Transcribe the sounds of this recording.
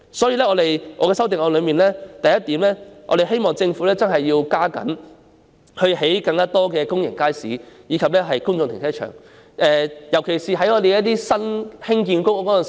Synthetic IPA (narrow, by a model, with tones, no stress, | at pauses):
sɔː˨˥jiː˧lɛ˥ŋɔː˨˧e˨jɔː˧kɛː˧sɐ˥wt̪ɪ˨ŋɔː˨˧lɵ˨˧ɥmiː˨˩nlɛː˥t̪ɐ˨jɐ˥t̪iː˨˥mlɛː˥ʔɔ̰˨˧ɾe˨˩jɦe˥jmɔː˨˩ŋt͡sɪ˧ŋfuː˨˥lɛː˥t͡sɐ˥nɦɐ˨jːiː˧wkaː˥kɐ̰˨˥n | hɵ˧ɥɦe˨˥jkɐ˧ŋkaː˥t̪ɔː˥kɛː˧kʊ˥ŋjɪ˨˩ŋkaː˥jsḭː˨˥jiː˨˧kʰɐ˨p̚lɛː˥ɦɐ˨jkʊ˥ŋt͡sʊ˧ŋt̪ʰɪ˨ŋtsʰɛː˥t͡ʃʰœ̰ː˨˩ŋ | ʔɛː˨˧jɐ˨˩wkʰe˨˩jsiː˨ɦɐ˨˥jŋɔː˨˧d̪e˨jɛ˦jɐ˥t̪̬iː˥sɐ˥nhɪ˥ŋkiː˧nkʊ˥wkɔː˨˥jn˨